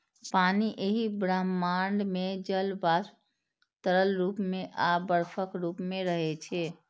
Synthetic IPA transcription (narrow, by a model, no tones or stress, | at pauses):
paniʔeɦibɾamːaɳɖmed͡ʒəlbas | t̪əɾəlɾuːpmeʔabəɾpʰəkɾupmeɾəɦɛt͡ʃʰɛ